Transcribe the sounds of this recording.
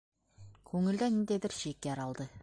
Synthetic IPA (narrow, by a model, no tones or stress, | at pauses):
kʲʰɵŋɪ̆ld̪ænind̪ebɪɾʃekʲːeɑɾɑlˠd̪ə